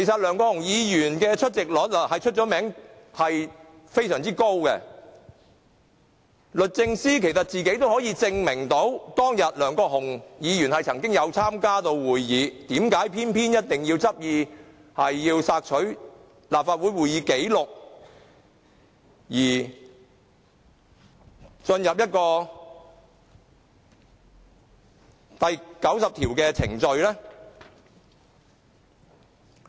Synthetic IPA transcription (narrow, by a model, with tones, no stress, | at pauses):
kʰe˨˩jsɐ˨t̚lœː˨˩ŋkɔː˧˥hʊ˨˩ŋjiː˨˧jyː˨˩nkɛː˧t͡ʃʰɵ˥t̚t͡sɪ˨k̚lɔː˨˥lɐ˨˩hɐ˨jt͡ʃʰɵ˥t̚t͡ʃɔː˨˥mɛː˨˥ŋ | hɐ˨j | fe˥jsœː˨˩ŋt͡siː˥ko˥wkɛ̰˧ | lɵ˨t̚t͡sɪ˧ŋsiː˥kʰe˨˩jsɐ˨t̚t͡siː˨ke˨˥jt̪o˥whɔː˨˥jiː˧t͡sɪ˧ŋmɪ˨˩ŋt̪o˨˥wt̪ɔː˥ŋjɐ˨t̚lœː˨˩ŋkɔː˧k̚hʊ˨˩ŋjiː˨˧jyː˨˩nhɐ˨jt͡sʰɐ˨˩ŋkɪ˥ŋjɐ˨˧wt͡sʰaː˥mkaː˥t̪o˧wwuː˨˩jjiː˨˧t̪iː˨˥mkaː˨˥jpʰiː˥npʰiː˥njɐ˥t̚t̪ɪ˨ŋjiː˧wt͡sɐ˥p̚jiː˧ | hɐ˨jːiː˧wsaː˧k̚t͡ʃʰɵ˨˥ɥ | laː˨p̚faː˧t̚wuː˨˥jwuː˨jiː˨˧ke˨˥jlʊ˨k̚ | jiː˨˩ | t͡ʃɵ˧njɐ˨p̚jɐ˥t̚kɔː˧ | t̪ɐ˨jkɐ˨˥wsɐ˨p̚t̪ʰiː˨˩wkɛː˧t͡sʰɪ̰˨˩ŋt͡ʃɵ˧ɥlɛː˥